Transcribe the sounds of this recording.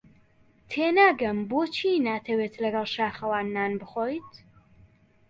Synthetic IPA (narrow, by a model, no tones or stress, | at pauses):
t̪ʰeːnaːɡɐmboːt͡ʃʰiːnaːt̪ʰɐweːt̪lɐɡɐlˠʃaːχɐwaːnːaːnbɨχoːjt̪